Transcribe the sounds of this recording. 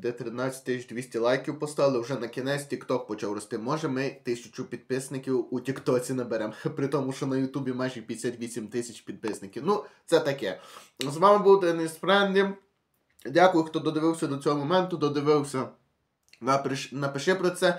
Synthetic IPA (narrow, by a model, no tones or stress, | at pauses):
d̪ɛt̪ɾɪnɑt͡sʲɐ̥t̚ʲt̪ɪsʲt͡ʃd̪ʲʋʲisʲtʲɐlˠɑjkʲiwpɔst̪ɑʋɪlˠɪwʒɛnɐkʲinɛsʲtʲikt̪ɔk̚pɔt͡ʃɑwɾɔst̪ɪmɔʒɛmɪt̪ɪsʲʊt͡ʃʊpʲid̪̚pɪsnɪkʲiwutʲikt̪ɔt͡sʲinɐbeɾɛmpɾɪt̪ɔmʊʃt͡ʃɔnɐjʊt̪ubʲimɑjʒɛpʲjɐsʲat̪ʲʋʲisʲimt̪ɪsʲɐt͡ʃpʲid̪̚pɪsnɪkʲiwnut̪sɛt̪ɐkɛzʋɑmɪbuwt̪ɛnɪspɾɛnʲd̪ʲim | dʲakʊjʊxt̪ɔd̪ɔd̪eʋɪwsʲɐd̪ɔt͡sʲɔɦɔmɔmɛnt̪ʊd̪ɔd̪ɪʋɪwsʲɐ | nɐpɾɪʃnɐpɪʃɪpɾɔt̪sɛ